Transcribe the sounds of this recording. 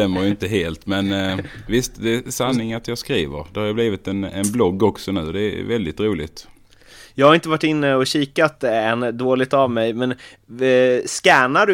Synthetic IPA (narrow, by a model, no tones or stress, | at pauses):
ɛmːəɾjɪnt̪əɦeːlt̪mɛnvɪst̪d̪ɛsanːɪŋat̪jɑːskɾiːvəɾd̪ɛhaɾjɑbliːvɪt̪ɛnɛnblɔɡːɔksɔnʉ̟ːd̪ɛ̰ːvɛld̪ɪt̪ɾuːlɪɡt̪ | jɑːɡhaɾɪnt̪əvaʈːɪnːəɔɕiːkat̪ɛnd̪oːlɪɡ̚t̪avmɛjmɛn | skɛːnaɖɵ